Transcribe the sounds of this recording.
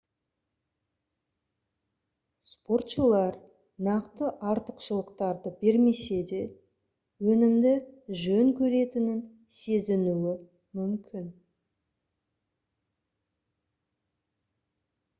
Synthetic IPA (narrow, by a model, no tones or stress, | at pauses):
spo̞rt̪ʃəlˠɑɾ | nɑqt̪əʔɑɾt̪əqʃəlˠəqt̪ɑɾd̪əbe̞ɾme̞se̞d̪e̞ | wɵnɪmd̪ɪʒɵŋkʲʰɵɾe̞t̪ɪnɪn | se̞zɪnuwɪ | mʏmkʲʰɪn